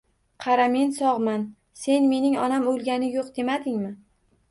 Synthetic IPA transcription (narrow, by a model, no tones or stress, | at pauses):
qʰɑɾamensɒʁman | se̞nme̞nɪŋɒnamolˠɡʲanɪjoqd̪e̞mad̪ɪŋmɪ